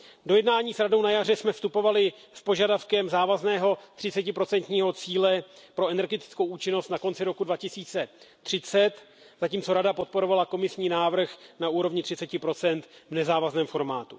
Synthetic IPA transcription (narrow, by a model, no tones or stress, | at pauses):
do̞jɛdnaːɲiːsɾado̞wnajar̝ɛsmɛfst̪upo̞valɪspo̞ʒadafkɛmzaːvaznɛːɦo̞t̪r̥ɪt͡sɛcɪpɾo̞t͡sɛnt̪ɲiːɦo̞t͡siːlɛpɾo̞ɛnɛɾɡɛt̪ɪ̥t͡sko̞wʔuːt͡ʃɪno̞st̪nako̞nt͡sɪɾo̞kudvacɪsiːt͡sɛt̪r̥ɪt͡sɛt̪ | z̥aciːmt͡so̞ɾadapo̞t̪̚po̞ɾo̞valako̞mɪsɲiːnaːvr̩xnauːɾo̞vɲɪt̪r̥ɪt͡sɛcɪpɾo̞t͡sɛnt̪vnɛzaːvaznɛːmfo̞ɾmaːt̪u